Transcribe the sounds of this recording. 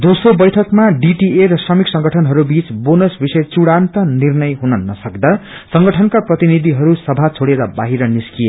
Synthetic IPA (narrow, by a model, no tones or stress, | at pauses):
d̪osrobʌjʈʰʌkmaɖiʈieɾʌsrʌmiksʌŋɡʌʈʰʌnɦʌɾubit͡sbonʌsbisʌjt͡suɽant̪ʌnirnʌjɦunʌnʌsʌkd̪a | sʌŋɡʌʈʰʌnkaprʌt̪inid̪ʱiɦʌɾusʌbʱat͡sʰoɽeɾʌbaɦiɾʌniskije